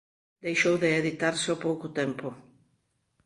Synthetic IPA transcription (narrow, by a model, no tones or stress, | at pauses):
d̪ejʃowðɪeðit̪aɾsopowkʊt̪ɛmpʊ